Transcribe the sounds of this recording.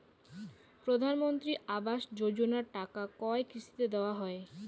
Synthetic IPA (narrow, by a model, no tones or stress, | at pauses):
pɾod̪ʱanmont̪ɾiabaʃd͡ʑod͡ʑonaɾʈakakɔekɾiʃi̥t̪ed̪eoaɦɔe